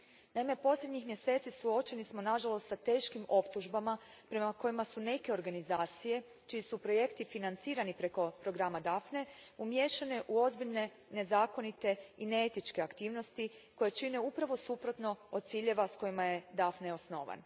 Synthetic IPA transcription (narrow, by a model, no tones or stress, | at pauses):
naime̞po̞slʲed̪ɲixmje̞se̞ːt̪sisuo̞t͡ʃe̞nismo̞naʒalo̞st̪sat̪e̞ːʃkimo̞pt̪uʒbama | pɾe̞mako̞jimasune̞ke̞o̞ɾɡanizaːt̪sije̞ | t͡ʃiisupɾo̞je̞kt̪ifinant̪siːɾanipɾe̞ko̞pɾo̞ɡɾamad̪afne̞umje̞ʃane̞ʔuo̞zbiʎne̞ | ne̞zaːko̞nit̪e̞ineet̪it͡ʃke̞akt̪iːʋno̞st̪iko̞jet͡ʃine̞upɾaʋo̞supɾo̞t̪no̞od̪̚t̪siːʎe̞ʋasko̞jimajed̪afneo̞sno̞ːʋa̰n